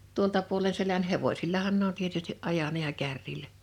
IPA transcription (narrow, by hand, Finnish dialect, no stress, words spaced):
tuoltɑ puole selæn heʋosilːɑhɑn ne on tietystiʔ ʔɑjɑnɑ jɑ kærːilæ